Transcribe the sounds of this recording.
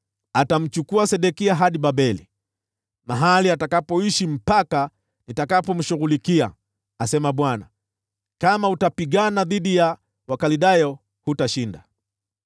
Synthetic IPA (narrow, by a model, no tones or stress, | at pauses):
atam̩t͡ʃukuasɛɗɛkiaɦaɗibaɓɛlḭ | maɦaliatakapɔiʃim̩paka | nitakapɔm̩ʃuɣulikia̰ | asɛmaɓwana̰ | kamautapiɠanaðiɗija | wakaliɗajɔ | hutaʃinda̰